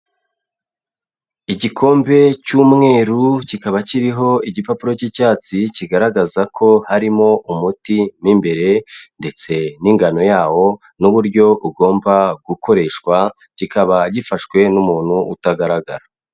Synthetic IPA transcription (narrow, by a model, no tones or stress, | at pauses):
iɟikʰo̞ːmbe̞t͡ʃuːmŋe̞ːɾucikaβaciɾiɦo̞iɟipapuɾo̞cicaːt͡siciɡaɾaɡazakʰo̞haɾimo̞ʔumutimimbe̞ɾe̞nde̞t͡se̞niːŋɡano̞jaːwo̞ | nuβuɾɟo̞ʔuɡo̞ːmbaɡuko̞ɾe̞ʃkwa | ɟ̥ikaβaɟifaʃkwe̞numuːn̥huutaɡaɾaɡa̰ɾa